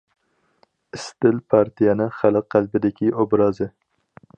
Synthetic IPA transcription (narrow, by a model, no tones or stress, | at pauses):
ɪst̪ɪlpʰɑɾt̪ʰijɛnɨŋχælɨqːælbɪd̪ɪkʲʰiʔobɾɑːzɨ